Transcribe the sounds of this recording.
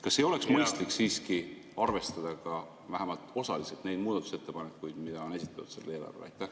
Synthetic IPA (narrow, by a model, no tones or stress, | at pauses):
kɑsːeo̞le̞ksmɤjst̪liksiːski | ɑrve̞st̪ɑd̪̥ɑkɑ | væɦæmɑlt̪o̞sɑliselt̪ne̞jd̪̥̚muːd̪ɑt̪ːˑu̥set̪ːe̞pɑnekːˑujd̪̥mid̪ɑo̞ne̞si̥t̪ːˑɑ̥t̪u̥d̪se̞lːeːlɑ̰rvḛlɑ̰jt̪ːˑæ